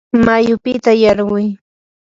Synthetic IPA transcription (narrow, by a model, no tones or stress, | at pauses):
majʊpɪt̪ajɑɾɢʊj